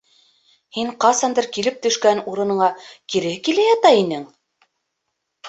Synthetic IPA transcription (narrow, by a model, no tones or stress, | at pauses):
hiɴqɑsɑnd̪ɤɾkilɘp̚t̪ɵ̆ʃkænuɾɤ̆nɤ̆ɴɑkiɾɘkilæjɑt̪ɑinɘŋ